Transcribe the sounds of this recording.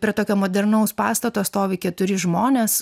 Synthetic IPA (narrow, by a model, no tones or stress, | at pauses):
pʲɾʲiɛt̪oːkʲoːmoːd̪ʲɛɾnɐʊspɑːst̪ɐt̪oːst̪oːʋʲɪkʲɛt̪ʊɾʲɪʒmoːnʲeːs